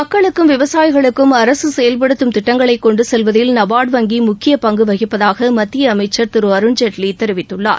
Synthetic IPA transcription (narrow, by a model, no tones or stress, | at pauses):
mɐkːɐɭɯkːɯmʋɪʋɐsaːjɪɣɐɭɯkːɯmɐɾɐsɯsɛjɐlpɐɽɯt̪ːɯmt̪ɪʈːɐŋɡɐɭɐɪkːɔɳɖɯsɛlʋɐðɪlnɐbaːɽʋɐŋɡimʊkːɪjɐpɐŋɡɯʋɐɣɪpːɐðaːɣɐmɐt̪ːɪjɐːmɐɪt͡ʃːɐɾt̪ɪɾɯɐɾɯnd͡ʒɐʈlit̪ːɛɾɯʋɪt̪ːɯɭːa̰ːɾ